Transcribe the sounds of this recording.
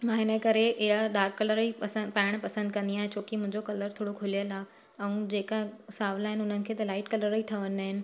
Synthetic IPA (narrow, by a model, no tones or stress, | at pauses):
mãːɦɪnəkɐɾeʔɪɦaɗaːɾkːɐləɾispaːɪɽ̃pɐsə̃nd̪̚kɐ̃nd̪iaːɦẽt͡ɕʰoːkimʊ̃ɦɪ̃ɲd͡ʑokɐləɾt̪ʰoːɽokʰʊlijəlaː | ɛ̃ũd͡ʑeːkasaːʋlaːɦɪnɪʊn̤ənɪ̆kʰeːt̪ɐlaːɪʈkɐləɾiʈʰɐʋənɪaːɦɪnɪ̆